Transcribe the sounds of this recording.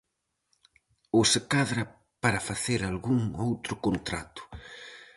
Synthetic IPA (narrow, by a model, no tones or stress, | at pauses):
osɪkaðɾɐ | paɾɐfaθeɾalɣuŋowt̪ɾʊkont̪ɾa̰t̪ʊ̥